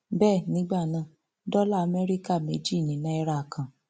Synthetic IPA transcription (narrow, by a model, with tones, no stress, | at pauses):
bɛː˦˨nĩ˨˦ɡ͡ba˦˨nã˨ | dɔ˦la˦˨a˨mɛ˦ɾi˦ka˦˨me˨˦d͡ʒi˦˨nĩ˨˦nã˦ɛ˦ɾa˦˨kʰã˨